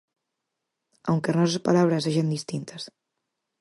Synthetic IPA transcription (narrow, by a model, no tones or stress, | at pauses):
awŋkenɔsespalaβɾəseʒənd̪ist̪int̪ʰəs